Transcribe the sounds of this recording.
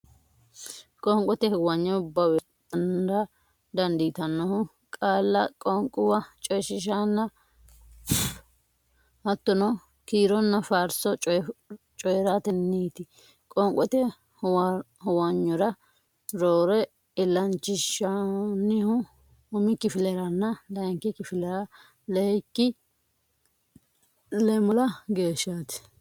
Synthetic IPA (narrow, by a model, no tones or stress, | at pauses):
kʼɔŋkʼɔt̪ɛhɛwɐɲːɔʊbːɐwɛ | ɐnnd̪ɐ | d̪ɐnd̪ɪt̪ɐnːɔhʊ | kʼaːlːɐkʼɔŋkʼʊwɐt͡ʃʼɔjʃɪʃ̬anːɐ | hɐt̪ːɔnɔ | kiːɾɔnːɐfaːɾsɔ | t͡ʃʼɔjɾaːt̪ɛnːiːt̪ɪ | kʼɔŋkʼːɔt̪ɛ | h | hɔwɐɲːɔɾɐ | ɾoːɾɛ | ɪlːɐnt͡ʃːɪʃɐnːɪhʊ | ʊmɪkɪfɪlɛɾɐnːɐlɐŋkɪkɪfɪlɛɾɐ | lɛɛkːɪ | lɛmɔlɐɡe̞ːʃːaːt̪ɪ̥